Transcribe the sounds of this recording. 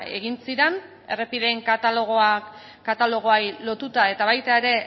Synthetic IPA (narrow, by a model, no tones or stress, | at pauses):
e̞ɣ̞insiɾen | e̞re̞piðe̞ŋkat̪aloɣ̞oa | kat̪alo̞ɣ̞o̞ajlo̞t̪ut̪ae̞t̪aβajt̪ae̞ɾe̞